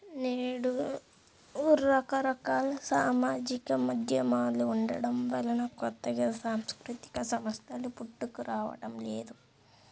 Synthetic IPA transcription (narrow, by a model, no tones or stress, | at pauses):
neːɽu | uɾːɐkɐɾɐkaːlsaːmaːd͡ʒikɐmɐd̪ʱjɐmaːluuɳɖɐ̰ɽɐmʋɐlɐnɐkɔt̪ːɐɡɐsaːmskɾut̪i̥kɐsɐmɐst̪ʰɐlupuʈːukuɾaːʋɐ̰ɽɐmleːd̪u